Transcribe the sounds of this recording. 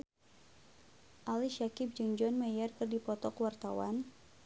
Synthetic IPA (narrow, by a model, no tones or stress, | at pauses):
ʔaliʃakɪp̚d͡ʒɨŋd͡ʒɔnmɛjɛrkɨrdipɔt̪ɔkwart̪awa̰n